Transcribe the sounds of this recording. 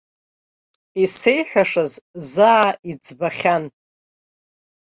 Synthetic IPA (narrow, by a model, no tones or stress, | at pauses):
isejħʷᶣaʂazzaːid͡zbaχʲan